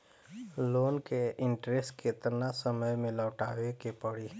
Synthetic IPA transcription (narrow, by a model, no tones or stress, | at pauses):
loːnkeʔɪ̃ɳʈɾesʈket̪nasəməjmẽləːʈaːwekepəɽiː